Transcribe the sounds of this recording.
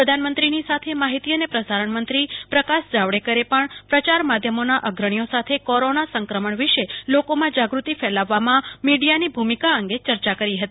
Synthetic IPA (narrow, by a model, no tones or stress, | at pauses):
pɾəd̪ʱanmə̃nt̪ɾinisat̪ʰemaɦit̪iənepɾəsaɾəɳmənt̪ɾipɾəkasd͡ʒaʋɽekəɾepəɳpɾət͡ʃaɾmad̪ʱjəmonaʔəɡɾəɳ̃ijosat̪ʰekɔɾonasəŋkɾəməɳʋɪʃelokomãd͡ʒaɡɾut̪ifɛlaʋːamãmiɖijanibʱumikaəŋɡet͡ʃəɾt͡ʃakəɾiɦət̪ii